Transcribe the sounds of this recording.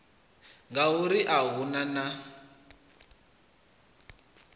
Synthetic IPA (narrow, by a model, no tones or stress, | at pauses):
ŋɡauɾiʔaɦunana